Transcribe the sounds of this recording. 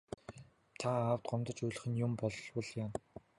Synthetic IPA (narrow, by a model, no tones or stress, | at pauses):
t̪ʰaaːw̥t̪̚ɢɔmt̪ɞ̆t͡ɕujɮɘ̆χɘ̆njʊmpɔɮwɞ̆ɮjaːn